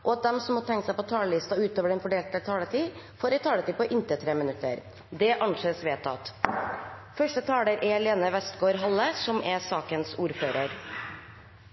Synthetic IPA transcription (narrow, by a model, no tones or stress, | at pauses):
ʔɔɑt̪̚d̪ɛmsɔmhɔːt̪ʰɛŋkəsæɪpɔt̪ʰɑːləlɪst̪ɑʉːt̪oːʋəɖɛnfɔɖeːlt̪ət̪ʰɑːlət̪ʰiː | foːɾɛt̪ʰɑːlət̪iːpɔʔɪnt̪ət̪ʰɾeːmɪnʉt̪ːə̰ɾ | d̪ɛʔɑnʂeːsʋeːt̪ʰɑ̰t̪ | fœʂʈət̪ʰɑːləɾʔɛleːnəʋɛst̪ɡoːɾɦɑlːəsɔmɛsɑːkənsuːɾføːɾəɾ